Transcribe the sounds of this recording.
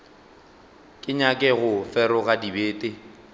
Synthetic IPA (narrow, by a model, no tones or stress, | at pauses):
kʼɪɲakʼɛɣʊfɛɾʊɣadibeːtʼe